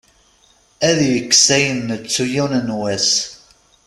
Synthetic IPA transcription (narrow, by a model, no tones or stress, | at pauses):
æðjəksæjənːət͡sːujunənwæs